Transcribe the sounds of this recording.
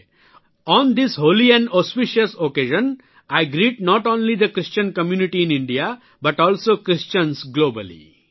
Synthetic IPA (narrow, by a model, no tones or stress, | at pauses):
ɔ̃ːnd̪ɪshoːliɛ̃nɖɔspiʃəsokeːʒə̃n | aɪɡɾiːʈ̚nɔʈõːnlid̪əkɾɪst͡ʃə̃nkəmjuːniʈiɪ̃nɪ̃ɳɖia | bɐʈɔːlsoːkɾɪst͡ʃə̃nsɡloːbəlḭ